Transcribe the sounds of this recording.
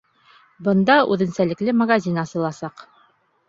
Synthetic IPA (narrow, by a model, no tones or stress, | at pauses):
bɤ̆nd̪ɑʔʉ̰ðɘ̆nsælɘ̆klɘmɐɡazʲinɑsɤ̆lˠɑsɑq